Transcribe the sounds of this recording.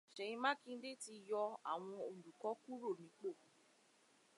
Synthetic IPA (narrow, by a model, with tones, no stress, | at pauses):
ʃɛ˨ĩ˧mã˦kĩ˦n̩˦de˦ti˧jɔ˧a̰˨w̃ɔ̃˧o˧˨du˨kɔ˨˦ku˦ɾo˦˨nĩ˨˦k͡po˦˨